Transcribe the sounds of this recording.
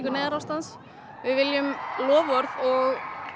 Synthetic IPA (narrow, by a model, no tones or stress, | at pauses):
kʏɾnɛːðɪɾawst̪ans | vɪðvɪljʏmlɔːvɔɾðɔɣ